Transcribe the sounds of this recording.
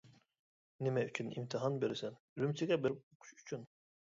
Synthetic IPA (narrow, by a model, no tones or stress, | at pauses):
nemɛyt͡ʃʰynḭmt̪ʰiɦɑnbeɾsæn | ɾymt͡ʃ̪ʰiɡʲɛbiɾuqʰu̥ʃy̥t͡ʃʰyn